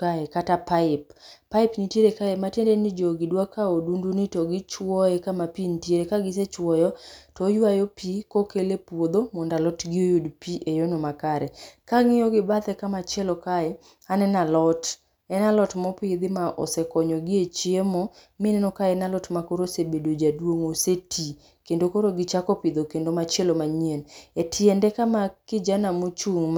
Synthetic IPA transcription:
kaɛkatapaɪpːaɪpniteɾekaɛmatendenɪd͡ʒoɡɪdwakaodundunitɔɡɪt͡ʃwɔjɛkamapintjeɾekaɡɪs̬et͡ʃwɔjɔtɔjwajopikokelepwod̪omɔndalɔtɡɪojudpiʔejonomakaɾɛkaŋɪoɡɪbat̪ɛkamat͡ʃjɛlɔkaɛ | anɛnalɔt | ɛnalɔtmɔpɪd̪ɪmaʔɔ̰sɛkɔɲɔɡɪet͡ʃiemɔ | mɪnɛnɔkaɛnalɔtmakoɾosebedod͡ʒadwoŋosetʰi | kendokoɾoɡɪt͡ʃakɔpɪd̪okendomat͡ʃelomaɲienetʰɪɛndɛkamakɪd͡ʒanamot͡ʃuŋm

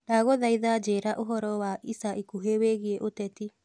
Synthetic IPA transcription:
naɣoðaiðad͡ʒeɾaʔoɦɔɾɔwaʔisaʔikuɦeweɣieʔotɛti

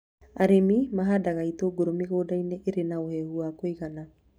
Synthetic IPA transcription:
aɾemimaɦadaɣaitoɡoɾomiɣoːdaineʔeɾenaohɛːhuakoiɣana

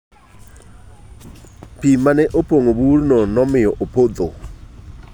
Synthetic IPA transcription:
pimanɛʔopoŋoburnonɔmɪjɔʔopod̪o

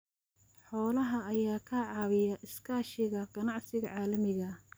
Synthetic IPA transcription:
ħɔːlɐɦɐːjaːkʰɐʕɑːwɪjɐʔɪskʰaːʃɪɣɐɡ̥ɐnɑʕsɪɣɐʕɑːlɐmɪɣɐ

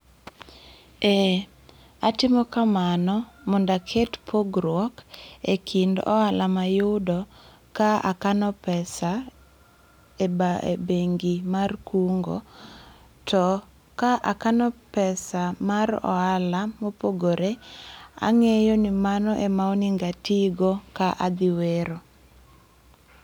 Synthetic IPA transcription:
e | atɪmɔkamanɔmɔndakʰetpʰoɡɾwɔkekʰindɔ̰alʔamajʊdɔ | kaa̰kanɔpɛsa | ebaḛbeŋɡimarkuŋɡo̰ | tʰɔ | kaʔakanɔpɛsamaɾɔ̰alamopoɡoɾea̰ŋejonimanɔʔemaɔniŋɡatiɡokaʔad̪ɪweɾo

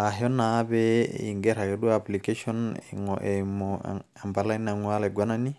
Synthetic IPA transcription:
aɦɔnabɛḭŋɡɛɾakɛɗuaplikeʃɔn | m | ambalanaŋwalɛɡwanani

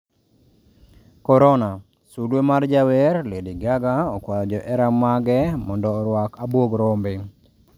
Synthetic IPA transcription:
kɔɾɔna | sudwemard͡ʒawɛɾlediɡaɡaɔkwad͡ʒɔʔɛɾamaɡɛmɔndɔːɾwakabwoɡɾombɪ

